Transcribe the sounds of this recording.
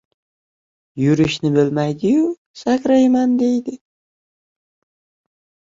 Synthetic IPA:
jʊɾɪʃnɪbɪlmajd̪ɪjʊ | sakʲɾajmand̪e̞jd̪ɪ

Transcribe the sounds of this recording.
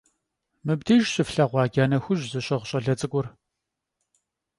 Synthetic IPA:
mɨbdiːʒɕʼɪfɬaːʁʷɑːɡʲaːnɐxʷʊʑzɨɕʼɐʁʷɕʼɐɮɐt͡sʼɨɡʷʊr

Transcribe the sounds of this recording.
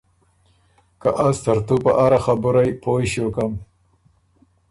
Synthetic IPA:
kaʔast̪aɾt̪upaʔaɾaxabʊɾajpojɕjokam

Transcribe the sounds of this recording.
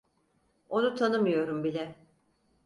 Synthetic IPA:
o̞nut̪ʰanɯmɯjo̞ɾumbilʲɛ

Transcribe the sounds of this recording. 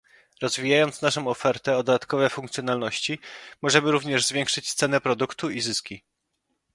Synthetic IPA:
ɾɔzvʲijajɔnt̪snaʂɔ̃w̃ɔfɛɾt̪ɛɔd̪ɔd̪at̪kɔvɛfuŋkt̪sʲjɔn̪alnɔɕt͡ɕimɔʐɛmɘɾuvɲɛʐzvʲjɛŋkʂɘt͡ɕst̪sɛnɛpɾɔd̪ukt̪uizɘskʲi

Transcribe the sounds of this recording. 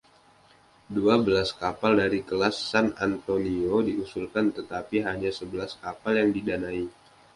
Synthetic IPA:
duabəlaskapaldaɾikəlasːanant̪oniodiusulkant̪ət̪apiɦaɲasəbəlaskapaljaŋdidanai

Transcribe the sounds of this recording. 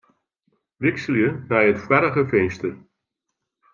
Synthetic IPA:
ʋɪksəljəmɛjətfwɛɾəɣəfenstər

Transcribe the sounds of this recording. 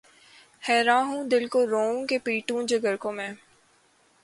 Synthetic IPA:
hɛːɾaːɦũːd̪ɪlkoɾõːkepiːʈũːd͡ʒəɡəɾkõːmẽː

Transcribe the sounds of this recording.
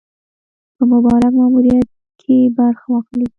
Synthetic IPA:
pəmʊbɑɾakmɑmuɾijat̪̚ | kʰebaɾxawɑxli

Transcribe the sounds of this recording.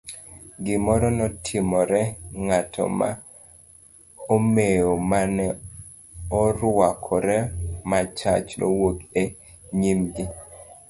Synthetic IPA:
ɡɪmɔɾɔnɔtʰɪmɔɾɛŋatʰɔ̰ma̰ | omejomanɛ | ɔɾwakʰɔɾɛmat͡ʃa̰t͡ʃnɔ̰woke | ɲimɡɪ

